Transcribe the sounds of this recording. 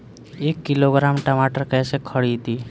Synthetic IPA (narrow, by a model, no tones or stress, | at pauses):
eːkːɪloɡɾaːmʈəmaʈəɾkɛːsekʰəɽit̪iː